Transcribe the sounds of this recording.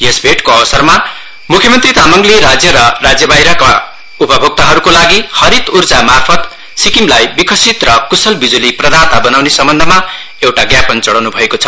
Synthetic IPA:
jesbʱeʈkoʌbʌsʌrma | mukʰjʌmʌnt̪rit̪amʌŋɡliɾad͡zjʌɾʌrad͡zjʌbajɾʌka | upʌbʱok̚t̪aɦʌɾukolaɡihʌɾit̪urd͡zamarpʰʌt̪ | sikimlajbikʰʌsit̪rʌkusʌlbid͡zuliprʌd̪at̪abʌnawnesʌmbʌnd̪ʱʌma | ewʈaɡjapʌnt͡sʌɽawnubʱʌekot͡sʰʌ̥

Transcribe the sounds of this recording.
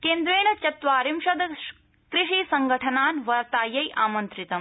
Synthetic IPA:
keːnd̪ɾeːɳɐt͡ʃɐt̪ʋaːɾimʃɐd̪ɐ | kɾiʃiːsɐŋɡʱɐʈʰɐnaːnʋɐɾt̪aːjɐjʔaːmɐnt̪ɾit̪ɐm

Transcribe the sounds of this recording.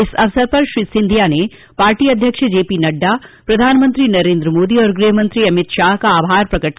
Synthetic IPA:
ɪsɐʋsəɾpɐɾʃɾisɪ̃nd̪ʱijane | paːɾʈiːɐd̪ʱjəkʃəd͡ʒeːpinɐɖːapɾɐd̪ʱaːnmə̃nt̪ɾinɐɾẽːnd̪ɾəmoːd̪iɔːɾɡɾiɦəmə̃nt̪ɾiɐmɪt̪ʃaːɦkaaːbɦaːɾpɾɐkəʈ

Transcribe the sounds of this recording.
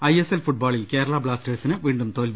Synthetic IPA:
ɐjeselfuʈ̚baːɭilkeːɾɐɭaːbɭaːsʈeːsinɨʋiːɳɖumt̪oːlbi

